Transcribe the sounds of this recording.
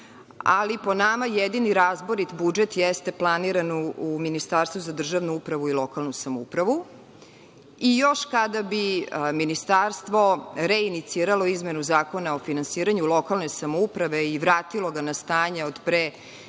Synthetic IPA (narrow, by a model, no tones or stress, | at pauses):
a̰lipo̞namajed̪iniɾaːzboɾit̪bud͡ʒet̪jest̪e̞plˠaniɾanuminist̪aːɾst̪vuzad̪r̩ʒaʋnuupɾaʋuilˠo̞kalˠnusamoṵpɾaʋu | ijo̞ʃkad̪abiminist̪aɾst̪ʋo̞ɾeinit̪siːɾalo̞izmenuzaːko̞naofinansiːɾaɲulˠo̞kalˠne̞samoupɾaʋe̞iʋɾaːt̪ilˠo̞ɡanast̪aːɲeod̪pɾe